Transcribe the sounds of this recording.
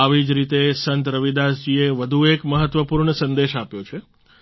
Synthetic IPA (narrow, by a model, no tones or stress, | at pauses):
aʋid͡ʒɾit̪esənt̪ɾəʋid̪asd͡ʒieʋəd̪ʱuekməɦət̪ʋəpuɾɳəsənd̪eʃapjot͡ʃʰe